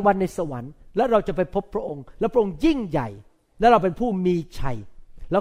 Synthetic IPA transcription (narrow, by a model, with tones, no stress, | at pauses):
ŋwa˧nːa˧jsa˧wa˩˦nlɛː˦˥ɾa˧wt͡ɕa˨˩pa˧jpʰo˦˥pʰːɾa˦˥ʔo˧ŋlɛ˦˥pʰɾa˦˥ʔo˧ŋji˥˩ŋja̰˨˩j | lɛː˦˥ɾa˧wp̬e˧npʰuː˥˩miː˧t͡ɕʰa̰˧jlɛː˦˥